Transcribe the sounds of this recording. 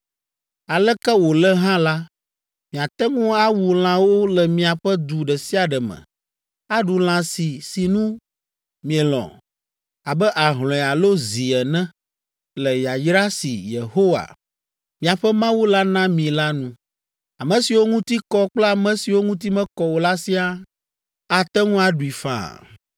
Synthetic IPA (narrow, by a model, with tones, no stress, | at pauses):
a˨lɛ˦kɛ˦wo˨lɛ˦ɦã˦la˦ | mĩ˨a˨t̪ɛ˦ŋũ˦a˦wu˨l̃ã˦wo˦lɛ˨mĩ˨a˨ɸɛ˦d̪u˨ɖɛ˨si˦a˨ɖɛ˨mɛ̰̃˨ | a˦ɖu˨l̃ã˨si˨si˨nũ˦ | mĩ˨ɛ˨lɔ̰̃˨ | a˨bɛ˦ʔa˨ɦl̃ɔ̃˨ɛ˨a˨lo˦zi˨ɛ˨nɛ̃˦ | lɛ˨ja˨jɾa˦sḭ˨je˨ho˦wa̰˨ | mĩ˨a˨ɸɛ˦mã˦wu˦la˦nã˦mĩ˨la˦nũ˦ | a˨mɛ̃˨si˨wo˦ŋũ˦t̪i˦kɔ˦k͡plɛ˦a˨mɛ̃˦si˨wo˦ŋũ˦t̪̬i˦mɛ̃˦kɔ˨wo˨la˦si˦a˦ | a˨t̪ɛ˦ŋũ˦a˨ɖu˨i˨fã̰˨